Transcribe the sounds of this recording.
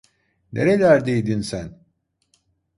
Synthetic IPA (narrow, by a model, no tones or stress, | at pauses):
nʔe̞ɾelʲæɾd̪ejd̪insæn